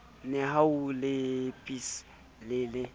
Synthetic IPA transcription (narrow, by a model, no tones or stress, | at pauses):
nɛɦaulɪpʼis | lɪːlɪ